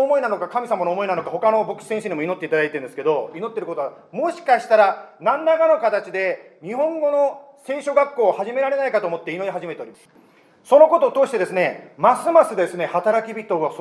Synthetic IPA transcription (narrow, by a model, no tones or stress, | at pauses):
mo̞inanokakamʲisamanoːmo̞inano̞kaho̞kano̞bo̞kɯ̟̥sẽ̞ɕiɲʲimoino̞t̪ːeit̪ad̪ait̪eɾɯ̟nd̪sɨ̥ke̞d̪oino̞t̪ːe̞ɾɯ̟kot̪oa | mo̞ɕi̥kaɕi̥t̪aɾanãnːaɡano̞kat̪at͡ɕid̪e̞ | ɲ̟ihõ̞ŋɡo̞no̞ | se̞ːɕoɡakːo̞ːhaʑime̞ɾaɾe̞naikat̪o̞ːmo̞t̪ːeino̞ɾiɦaʑime̞t̪e̞o̞ɾʲimḁsɨ̥ | so̞no̞ko̞t̪o̞ːt̪oːɕi̥t̪e̞d̪e̞sɨne̞masɨmasɨd̪e̞sɨne̞hat̪aɾakʲibʲit̪o̞ːɡas